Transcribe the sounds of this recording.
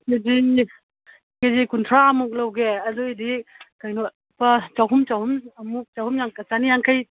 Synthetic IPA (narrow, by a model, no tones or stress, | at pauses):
ked͡ʒi | ked͡ʒikuntʰɾaɐmuk̚lawɡeɐdujdikajnɔt̚ | pɐt͡ʃawɦumt͡ʃawhumɐmuk̚t͡ʃawhumjaŋkasanijaŋkʰaj